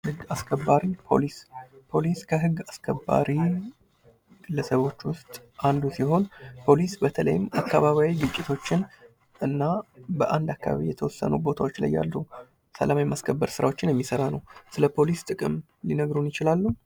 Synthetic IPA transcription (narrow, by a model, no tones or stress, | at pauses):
hɨɡːaskʰəbːaɾipʰo̞̰lispʰo̞liskʰəɦɨɡːaskʰəbːa̰ɾi | ɨləsəβo̞t͡ʃːwʊst̪ʼand̪usiho̞npʰo̞lisbət̪ʰələ̰jɪmakːaβaβjawiɡɨt͡ʃʼːɪt̪ʰo̞t͡ʃːɪn | ʔɨnːabəʔand̪akːa̰βa̰βijɛt̪ʰəwɔsːə̰nubo̞t̪ʰawo̞t͡ʃːla̰jːa̰lːu | sə̰lamaimaskʰəbːəɾsɨɾa̰wo̞t͡ʃːɪnjɛmːisəɾanəwsɨləpʰo̞list̪ʼɨkʼɨm | linəɡɾunjɪt͡ʃɪlalːu